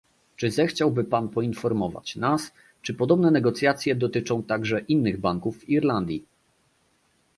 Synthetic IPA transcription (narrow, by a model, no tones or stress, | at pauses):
t͡ʂɘzɛxt͡ɕawbɘpanpɔinfɔɾmɔva̰t͡ɕnas | t͡ʂɘpɔd̪ɔbnɛnɛɡɔt̪sʲjat̪sʲjɛd̪ɔt̪ɘt͡ʂɔ̃w̃t̪aɡʐɛʔinːɘɣbaŋkufːiɾland̪ʲji